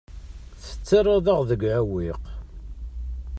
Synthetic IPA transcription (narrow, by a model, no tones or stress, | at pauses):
θə̥t͡sːəɾˤːɑðəʁðəɡʕæwiq